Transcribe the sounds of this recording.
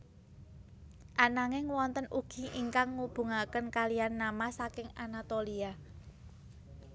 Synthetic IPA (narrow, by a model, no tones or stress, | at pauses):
ʔanaŋɪŋwɔnt̪ənʔuɡ̥i̤ʔiŋkaŋːub̥ṳŋakənkalijanːamasakɪŋanat̪olia